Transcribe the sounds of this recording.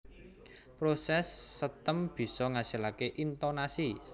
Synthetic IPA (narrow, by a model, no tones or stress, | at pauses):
pɾosɛsːət̪əmb̥i̤sɔŋasilakeʔint̪onasi